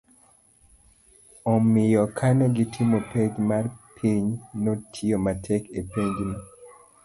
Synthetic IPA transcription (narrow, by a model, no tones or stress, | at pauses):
omːijɔkʰanɛɡitʰimopʰed͡ʒmaɾpʰeɲnotʰiomatʰɛkepeɲd͡ʒni